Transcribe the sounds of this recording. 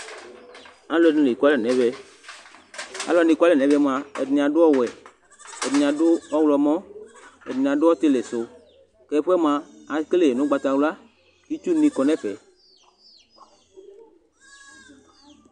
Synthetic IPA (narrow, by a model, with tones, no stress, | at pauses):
ã˦lɛ˦˨nũ˨˦le˨ka˦lɛ˨nɛ̃˨˦vɛ˦ | a̰˨lɔ˨˦ni˨kʷa˦lɛ˦˨nɛ̃˨vɛ˦m˨ã˨ɛ̰˨dnĩ˨ã˨dʊ˦ɔ˦wɛ˨ | ɛ˨dĩ˨ã˨dʊ˦ɔ˦wlɔ˨mɔ̃˦ɛ̰˨dĩ˨ã˨dʊ˦ɔ˦t̪ɪ˦le˨sʊ˨ | kɛ˨˦ɸu˦ɛ˦m˨ã˨a˨˦kle˦˨e˨nʊ̃˨˦ɡ͡ba˨t̪a˨wla˦ | i˦t͡ʃu˦nĩ˦kɔ˨nɛ̃˦fɛ˨